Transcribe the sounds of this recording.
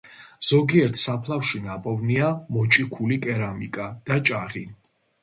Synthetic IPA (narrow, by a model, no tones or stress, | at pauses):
z̥ɔɡiɛɾt̪ʰsapʰlˠafʃinapʼɔvniamɔt͡ʃʼikʰulikʼɛɾamikʼad̪̥at͡ʃʼaʁi